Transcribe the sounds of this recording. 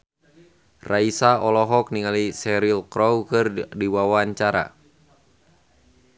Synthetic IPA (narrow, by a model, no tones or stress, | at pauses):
raisaɔlɔɦɔk̚niŋalisɛɾilkɾɔwkɨrdiwawaɲt͡ʃaɾa̰